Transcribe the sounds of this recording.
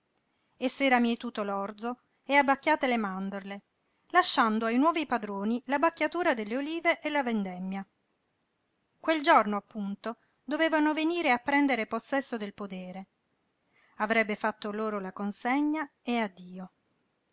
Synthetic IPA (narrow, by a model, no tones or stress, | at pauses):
esːɛːɾamiet̪uːt̪olɔrd̪zo | eabːakːjaːt̪elemand̪oɾle | laʃːand̪oajnwɔːvipad̪ɾoːnilabakːjat̪uːɾad̪elːeoliːveʔːlavend̪ɛmːja | kweld͡ʒornoapːunt̪o | d̪oveːvanoveniːɾeapːɾɛnd̪eɾeposːɛsːod̪elpod̪eːɾe | avɾɛbːefat̪ːoloːɾolakonseɲːa | ead̪ːiːo